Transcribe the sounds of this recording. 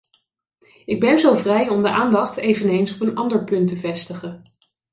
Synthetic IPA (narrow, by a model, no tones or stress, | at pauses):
ɪɡ̚bɛnzowvrɛjɔmdəʔaːndɑχtejvənejnsɔpənɑndəɹpɵntəvɛstəχən